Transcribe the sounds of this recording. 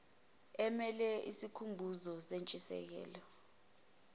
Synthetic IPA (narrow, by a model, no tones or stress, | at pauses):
ɛmɛlɛisikʰumbʱuzɔsent͡ʃʼisɛ̰k̬ɛ̰ːlɔ